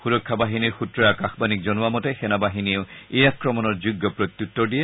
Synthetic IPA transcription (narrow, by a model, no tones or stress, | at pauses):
xuɹɔkʰːabaɦiniɹxutɹɔjakaxbanik̚zɔnuamɔtɛxɛnabaɦinieʊejakɹɔmɔnɔɹzuɡːɔpɹot̪jutːɔɹdijɛ